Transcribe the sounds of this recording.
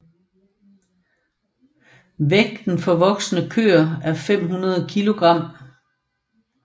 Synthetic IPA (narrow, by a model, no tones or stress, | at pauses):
ʋeɡ̥̚d̥n̩fɒ̽ʋɒ̽ɡ̥snəkʰø̰ːɐæɐfem̰ɦunɐð̞ˠkʰilo̝ɡ̥ʁɑ̈m̰